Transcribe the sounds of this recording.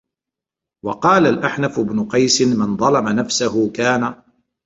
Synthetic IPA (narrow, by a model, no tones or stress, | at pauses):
wɑqɑːlalʔaħnafʊbnʊqɑjsɪnmɪnðˤɑlɑmanafsahʊkaːna